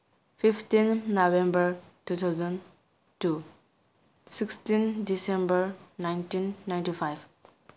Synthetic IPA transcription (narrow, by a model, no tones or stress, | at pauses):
fiftĩnnoʋẽmbəɹtut̪ʰaʊzə̃n | tu | sikstĩndisẽmbəɹnãjnʈĩnːãj̃nʈifajb